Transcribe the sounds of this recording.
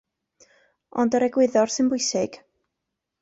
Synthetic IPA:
ɔndəɾɛɡwɪðɔrsɨnbʊjsɪɡ̥

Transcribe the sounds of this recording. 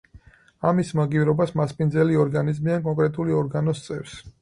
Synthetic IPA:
amismaɡivɾɔbasmaspʼind̪zɛliɔɾɡanizmiankʼɔŋkʼɾɛt̪ʼuliɔɾɡanɔst̪sʼɛvs

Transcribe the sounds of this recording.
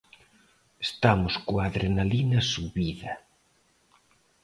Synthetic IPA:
est̪amʊskoaðɾenalinɐsuβiðɐ

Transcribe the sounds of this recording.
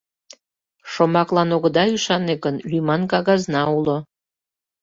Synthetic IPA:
ʃomɑklɑnoɣə̆d̪ɑyʃɑnekənlymɑnkɑɣɑznɑulo

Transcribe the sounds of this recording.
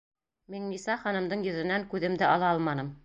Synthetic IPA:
miŋnisɑχɑnɤ̆md̪ɤɴjɵ̆ðɘ̆næŋkʉðɘ̆md̪ɘʔɑlˠɑɑlˠmɑnɤm

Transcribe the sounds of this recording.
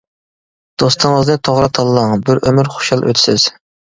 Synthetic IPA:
d̪̥ost̪ʰəŋəznɨt̪ʰoʁɾɑt̪ʰɑlˠːɑŋbɪɾʔømyɾχo̥ʃɑlˠʔø̰t̪ʰɪ̥sɪz̥

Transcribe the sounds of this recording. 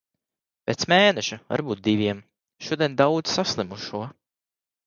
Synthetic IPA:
pʲɛt̪smeːnɛʃuva̰ɾbuːt̪̚d̪ivʲiɛm | ʃuɔd̪ʲiɛnd̪awd̪z̥saslˠimuʃuɔ

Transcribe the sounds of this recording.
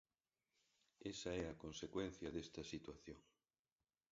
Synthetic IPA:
esɐɛɐkonsekwen̟θjɐðest̪ɐsit̪waθjoŋ

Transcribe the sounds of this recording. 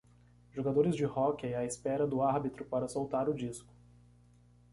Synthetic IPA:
ʒoɡad̪oɾɪzd͡ʒɪhɔkɐɛɐɪspɛɾɐd̪ʊaɾbit̪ɾʊpaɾɐsowt̪aɾʊd͡ʒiskʊ̥

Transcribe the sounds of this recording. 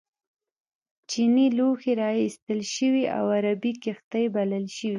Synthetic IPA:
t͡ʃiniloxeɾɑist̪əlʃəwiʔa̰waɾabikɪxt̪ajbaləlʃəwi

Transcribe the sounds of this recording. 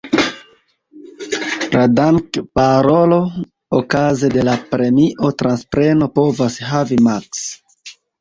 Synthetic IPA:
ladaŋkpaɾo̞lo̞ | okazede̞lapɾe̞miʔo̞tɾanspɾe̞no̞po̞vasɦavimaks

